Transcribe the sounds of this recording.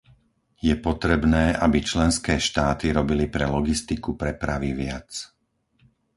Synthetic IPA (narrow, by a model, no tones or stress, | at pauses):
jɛpɔt̪ɾɛbnɛːʔabit͡ʃlɛnskɛːʃt̪aːt̪iɾɔbilipɾɛlɔɡist̪ikupɾɛpɾaʋiʋɪat͡s